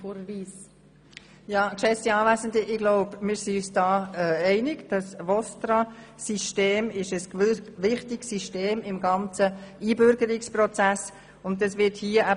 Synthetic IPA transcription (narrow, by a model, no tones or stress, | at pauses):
foɾviːs | jɑːkʃɛsiɑːvæɪzəndiʔɪɡlɔʊbmɪːɾsiyːsd̥ɑːɛɛɪnɪɡd̥ɑsvɔst̪ɾɑsiʃteːmɪʃəsʋɪχtɪksiʃteːmɪmɡɑnt͡səiːbʏɾɡəɾɪksprɔt͡sæs | ʊndɑsʋɪthiəʔæ